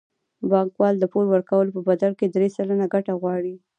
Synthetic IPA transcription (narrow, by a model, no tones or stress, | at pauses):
bɑŋkwɑld̪əpolwəɾkawəlopəbad̪aɽked̪ɾesələnaɡaʈaɣwɑɽi